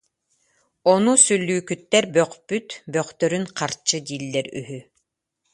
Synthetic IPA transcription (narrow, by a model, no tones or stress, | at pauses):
ɔnusylʲːyːkyt̪ːɛɾbœχpyt̪bœχt̪œɾynqaɾt͡ʃːɯd̪iːlːɛɾy̰ɦy